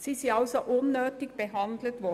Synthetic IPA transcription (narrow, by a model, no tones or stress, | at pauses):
siːsiɑlsoʔʊnːøːtɪɡb̥əɦɑnd̪lət̪ʋɔ